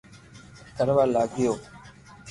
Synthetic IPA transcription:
kəɾʋaːlaːɡʱɪjoː

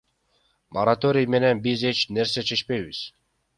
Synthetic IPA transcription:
mʔoɾat̪o̞ɾʲijme̞nenbize̞t͡ʃne̞ɾse̞t͡ʃʰe̞t͡ʃpe̞jβiz̥

